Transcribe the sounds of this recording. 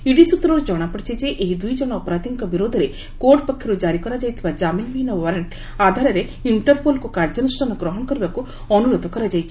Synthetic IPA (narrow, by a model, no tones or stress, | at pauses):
iɽisut̪ɾoɾd͡ʒɔɽ̃apɔɽit͡ʃʰid͡ʒeʔeɦid̪ujd͡ʒɔɽ̃aɔpɾaːd̪ʱiŋkɔbiɾoːd̪ʱɔɾe | koɾʈpɔkʰːjiɾud͡ʒaɾikɔɾad͡ʒajt̪ʰibad͡ʒaminminɔwɔɾeɳʈ | aːd̪ʱaɾɐɾe | iɳʈɐɾpolkukaɾd͡ʒɔnusʈʰanɔɡɾɔɦɔɳkɔɾibaku | ɔnuɾod̪ʱɔkɔɾad͡ʒajt͡ʃʰi